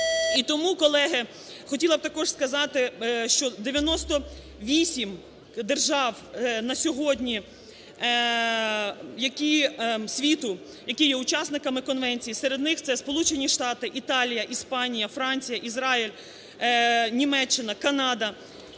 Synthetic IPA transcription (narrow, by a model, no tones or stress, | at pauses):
it̪ɔmukɔlˠɛɦɐ | xɔtʲilˠɐb̚t̪ɐkɔʒskɐzɑt̪ɪʃt͡ʃɔd̪eʋʲjɐnɔst̪ɔ | ʋʲisʲim | d̪erʒɑw | nɐsʲɔɦɔdʲnʲi | jɐkʲisʲʋʲit̪ʊ | jɐkijɛʊt͡ʃɑsnɪkɐmɪkɔnʋɛnʲt͡sʲijiseɾe̞d̪nɪxt̪sɛspɔlˠut͡ʃenʲiʃt̪ɑt̪ɪʔit̪ɑlʲijɐʔispɑnʲijɐfɾɑnʲt͡sʲijɐʔizɾɑilʲ | nʲimɛt͡ʃːɪnɐkɐnɑd̪ɐ